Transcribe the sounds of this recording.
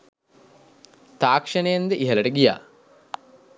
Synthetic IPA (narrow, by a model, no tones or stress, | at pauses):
t̪aːkʂɐnəjend̪əʔiɦɐlɐʈəɡija̰ː